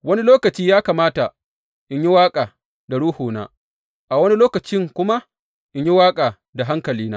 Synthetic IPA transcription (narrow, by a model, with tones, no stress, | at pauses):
wɐ˦ni˦loː˦kɐ˨t͡ʃiː˦jaː˦kaː˨maː˦ta˨ | ʔɪ˨ɲji˦waː˦kʼaː˨ | da˨ɽuː˦hoː˨na̰ː˦ | ʔa˨wɐ˦ni˦loː˦kɐ˨t͡ʃɪ˦ŋkʷʊ˦ma˦ | ʔɪ˨ɲji˦waː˦kʼaː˨ | da˨ɦa˦ŋkɐ˨liː˦naː˦